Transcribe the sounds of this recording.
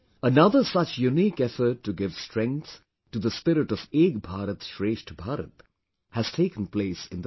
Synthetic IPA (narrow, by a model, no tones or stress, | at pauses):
ənʌðəsʌt͡ʃjuniːkɛfəʈːuɡɪvstɹ̥ɛ̃ŋkθ | ʈːuðəspɪɾɪʈɔveːɡbʱaɾət̪ʃɹeːʃʈbʱaːɾə̰t̪ | hæz̥tʰeɪkə̃n̩pleːsɪ̃nd̪ə